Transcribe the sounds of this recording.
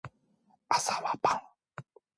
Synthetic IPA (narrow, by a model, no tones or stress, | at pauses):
asaβapa